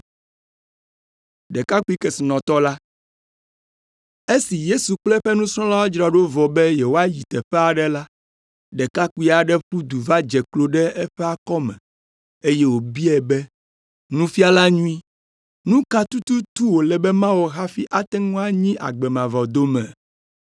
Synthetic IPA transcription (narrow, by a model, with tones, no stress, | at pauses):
ɖɛ˨ka˦ku˦i˦kɛ˨si˨nɔ̃˨t̪ɔ˦la˦ | e˦si˨je˦su˨k͡plɛ˦ɸɛ˦nũ˦sɾɔ̃˦la˦wa˦d͡ʒɾa˨ɖo˦vɔ˨bɛ˦je˨wo˦a˦ji˨t̪ɛ˨ɸɛ˦a˨ɖɛ˦la˦ | ɖɛ˨ka˦ku˦i˦a˨ɖɛ˦ɸu˦d̪u˨va˦d͡ʒɛ˨klo˦ɖɛ˦ɛ˦ɸɛ˦a˦kɔ˦mɛ̰̃˨ | e˦je˦wo˨bi˦ɛ˨bɛ˦ | nũ˦fi˦a˦la˦ɲũ˦i˦ | nũ˦ka˦t̪u˦t̪u˦t̪u˦wo˨lɛ˨bɛ˦mã˦wo˨ɦa˦fi˦ʔa˦t̪ɛ˦ŋũ˦a˦ɲĩ˦ʔa̰˨ɡ͡bɛ˨mã˨vɔ˨d̪o˦mɛ̰̃˨